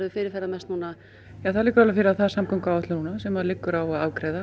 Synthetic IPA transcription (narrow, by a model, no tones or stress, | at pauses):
ɾvʏfɪːɾɪɾ̥θɛɾːamɛst̪nuːna | jaːθaðliːkːʏɾalafɪɾɪaðθaðsamkʰɔwŋkawɛt̪lʏnuːnasɛmaðlɪkːʏɾawaðaːwkɾɛːjða